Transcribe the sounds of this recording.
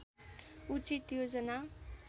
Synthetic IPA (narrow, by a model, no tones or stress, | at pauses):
ut͡sit̪jod͡zʌna